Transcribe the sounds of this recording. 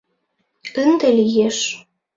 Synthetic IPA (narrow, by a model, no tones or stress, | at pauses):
ənd̪elijeʃ